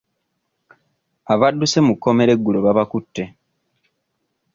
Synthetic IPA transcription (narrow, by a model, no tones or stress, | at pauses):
aβadːuse̞mukːo̞me̞ɾe̞ɡːulo̞βaβakutːe̞